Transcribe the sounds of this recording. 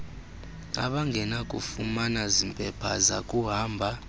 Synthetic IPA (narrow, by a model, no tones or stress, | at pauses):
a̰ɓaŋɡʱɛnakʼṵfumanazimpʼɛpʰaza̰kʼuɦaːmbʱa